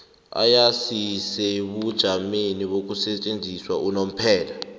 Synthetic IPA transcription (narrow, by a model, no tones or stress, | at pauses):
a̰jasisɛɓud̥ʒ̥ʱameniɓok̬ʼusɛt͡ʃʼend͡zʱiswaʔunom̩pʰɛːla